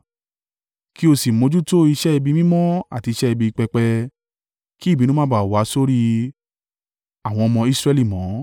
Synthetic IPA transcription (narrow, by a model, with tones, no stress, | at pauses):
ki˦o˧si˨mõ˨˦d͡ʒu˦to˦i˧ʃɛ˦i˧bi˧mĩ˦mɔ̃˦a̰˦˨ti˧˦ʃɛ˦i˧bi˧i˧k͡pɛ˧k͡pɛ˧ | ki˦˨bi˨˦nũ˦ã˦ba˦˨wa˨˦so˦ɾi˦ | a˨w̃ɔ̃˧ɔ˧mɔ̃˧i˦sɾɛ˧li˦˨mɔ̃˨˦